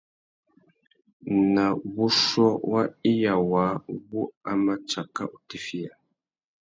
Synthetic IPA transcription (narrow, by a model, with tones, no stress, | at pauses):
na˨βu˦ʃɔ˦wa˦i˦ja˨waː˨˦βu˦a˦ma˦t͡ʃa˨ka̰˦ʔu˨ti˨fi˦ja˨